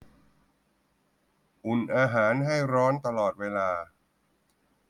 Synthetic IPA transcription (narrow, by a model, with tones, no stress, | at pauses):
ʔu˨˩nʔaː˧ɦaː˩˦nɦa˥˩jɾɔː˦˥nt̪a˧lɔː˨˩t̪̚weː˧laː˧